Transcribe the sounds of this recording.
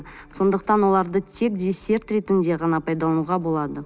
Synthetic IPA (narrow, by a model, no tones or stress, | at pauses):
so̞nd̪əqt̪ɑnwo̞lˠɑɾd̪ət̪ʰe̞k̚d̪ʲesʲe̞ɾt̪ɾe̞t̪ɪnd̪e̞ʁɑnɑpʰɑjd̪ɑlˠɑnuʁɑbo̞lˠɑd̪ə